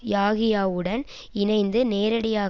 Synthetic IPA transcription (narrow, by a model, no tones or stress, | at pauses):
jaːɣɪjaːʋɯɽɐn | ɪnɐɪnd̪ɯneːɾɐɽɪjaː